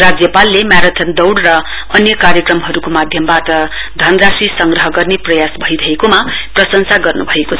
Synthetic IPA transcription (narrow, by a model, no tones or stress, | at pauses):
rad͡zjʌpalːemaɾʌt̪ʰʌnd̪ʌwɽrʌ | ʌnjʌkaɾjʌkrʌmɦʌɾukomad̪ʱjʌmbaʈʌ | d̪ʱʌnrasisʌŋɡrʌɦʌɡʌrneprʌjasbʱʌiɾʌɦekomaprʌsʌŋsaɡʌrnubʱʌekot͡sʰ